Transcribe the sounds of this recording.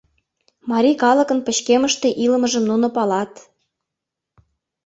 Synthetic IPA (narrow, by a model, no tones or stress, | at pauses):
mɑɾʲikɑlɤ̆kə̆npə̆t͡ɕkeməʃt̪e̽ʔilə̆mə̆ʒə̆mnunŏpɑlɑt̪